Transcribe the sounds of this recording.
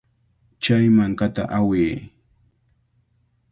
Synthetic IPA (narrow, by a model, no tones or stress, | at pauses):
t͡ʃajmaŋkat̪aʔaweː